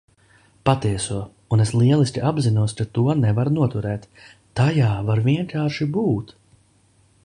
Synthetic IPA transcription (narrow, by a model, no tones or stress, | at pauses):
pat̪iɛsuɔ | uneslˠiɛlˠisʲkʲiʔabzinuɔskat̪uɔnɛvaɾnuɔt̪uɾɛːt̪ː | ajaːvaɾviɛnkaːɾʃibuːt̪